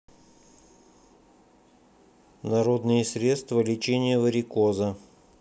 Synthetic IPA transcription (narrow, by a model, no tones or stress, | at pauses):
nɐɾo̞d̪nɨjəsɾʲe̞t̪st̪vəlʲɪt͡ɕenʲɪjəvəɾʲɪkozə